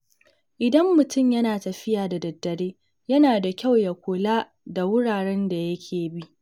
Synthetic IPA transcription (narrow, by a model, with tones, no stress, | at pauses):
ʔɪ˨dɐ˦mːʊ˨tʊ˦˨mjɐ˦naː˨tɐ˨ɸɪ˦jaː˨da˨dɐ˨dːɐ˨ɾeː˦ | jɐ˦naː˨da˨kʲa˦˨wja˨kʷoː˨laː˦ | da˨wʊ˦ɽaː˨ɽɛ˦nda˨jɐ˦kʲʰeː˨bi˦ʔ